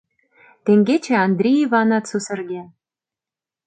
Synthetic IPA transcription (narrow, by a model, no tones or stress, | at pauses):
t̪eŋɡet͡ɕĕɑnd̪rʲiivɑnɑt̪susɘ̆rɡʲe